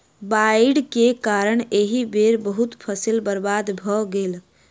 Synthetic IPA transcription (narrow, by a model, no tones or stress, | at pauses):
baiɖkekaɾəɳ̃eɦibeɾbəɦut̪pʰəsilbəɾbad̪bʱɔɡel